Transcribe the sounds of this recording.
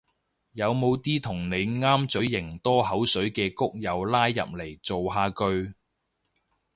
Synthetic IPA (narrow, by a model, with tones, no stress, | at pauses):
jɐ˨˧wmo˨˧wt̪iː˥t̪ʰʊ˨˩ŋne˨˧jŋaː˥mt͡sɵ˨˥ɥjɪ˨˩ŋt̪ɔː˥ɦɐ˨˥wsɵ˨˥ɥkɛː˧kʊ˥k̚jɐ˨˧wlaː˥jːɐ̰˨p̚le˨˩jt͡so˨wɦaː˧kɵ˧ɥ